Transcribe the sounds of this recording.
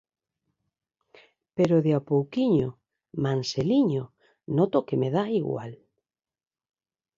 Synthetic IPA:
peɾoðeapowkiɲo | manseliɲo | not̪okemeðaiɣwa̰l

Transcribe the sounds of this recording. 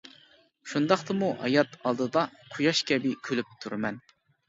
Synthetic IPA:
ʃund̪ɑχt̪ɨmuɦɑ̰jɑt̪ʰɑlˠd̪ɨd̪ɑqʰʊjɑʃkʲʰɛbɪkʲʰølyp̚t̪ʰuɾmɛn

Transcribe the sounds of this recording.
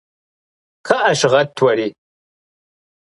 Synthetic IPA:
kʰɐʔɐʃʁɐtʰwɐɾiː

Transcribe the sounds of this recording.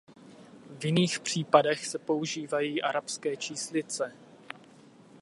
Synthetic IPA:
vjɪniːxpr̝̥iːpadɛxsɛpo̞uʒiːvajiːʔaɾapskɛːt͡ʃiːslɪt͡sɛ

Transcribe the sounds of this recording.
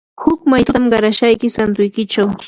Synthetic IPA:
hʊkmajt̪ʊt̪amɢɑɾaʃajkɪsant̪ʊjkɪt͡ʃaw

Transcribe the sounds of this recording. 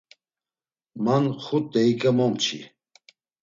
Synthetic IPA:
manχut̪ʼɛikʼamɔmt͡ʃʰḭ

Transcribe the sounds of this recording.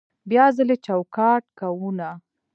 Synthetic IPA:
bjɑzəlet͡ʃawkɑʈkawuna

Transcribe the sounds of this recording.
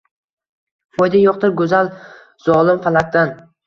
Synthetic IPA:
pɒjd̪ajɒqt̪ɪɾɡɵzalˠ | z̥ɒlˠɪmfalak̚d̪an

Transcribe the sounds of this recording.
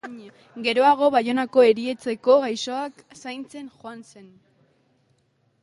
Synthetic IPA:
ɲ | ɡe̞ɾo̞aɣ̞o̞βajo̞nako̞e̞ɾie̞t͡se̞ko̞ɣajso̞ak | sajnt͡se̞nxoanse̞n

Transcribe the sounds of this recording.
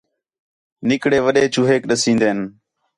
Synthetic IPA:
nɪkɽeːʋəɗeːt͡ʃuːɦeːkɗəsĩːnd̪eːn

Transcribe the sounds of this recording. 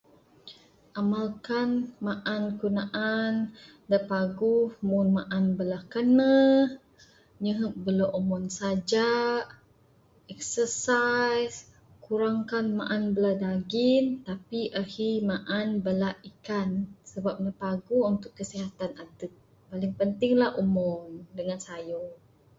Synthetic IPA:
ʔamalkanmaʔankunaʔan | dəpaɡuhmunmaʔanbəlahkanːə | ɲəɦəʔbəloʔomɔnsad͡ʒa | ɛksəsajs | kuɾaŋkanma̰ʔanbəladaɡint̪apiʔəhimaʔanbəlahikansəbap̚ɲaəpaɡuunt̪ʊkːəsiɦat̪anadət̪̚ | palɪŋpənt̪ɪŋlahʔomɔndəŋansajo

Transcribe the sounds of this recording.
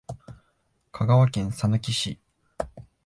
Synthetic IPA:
kʰaɡaβakẽñsanakʲiɕi

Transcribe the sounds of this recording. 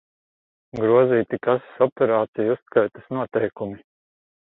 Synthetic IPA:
ɡɾuɔziːt̪ikasḁsɔpɛɾaːt̪sijust̪kajt̪asnuɔt̪ɛjkumi

